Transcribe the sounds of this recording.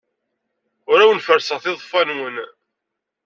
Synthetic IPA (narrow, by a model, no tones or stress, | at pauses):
ʊɾæwənfəɾsəʁθɪðˤfænwən